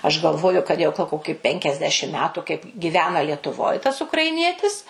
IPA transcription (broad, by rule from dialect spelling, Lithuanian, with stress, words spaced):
ɐʃ ɡɐlˠˈʋoːjʊ kɐt ˈjɛʊ ɡɐlˠ ˈkoːkʲɪ pʲɛŋʲkʲɛzʲˈdʲæːʃʲɪm ˈmʲæːtʊ kɐɪp ɡʲɪˈʋʲæːnɐ lʲiɛtʊˈʋoːj tɐs ʊkrɐɪˈnʲiɛtʲɪs